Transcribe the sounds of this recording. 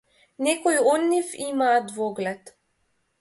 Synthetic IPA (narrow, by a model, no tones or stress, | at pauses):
nɛkɔjɔd̪nifimaːd̪vɔɡlɛt̪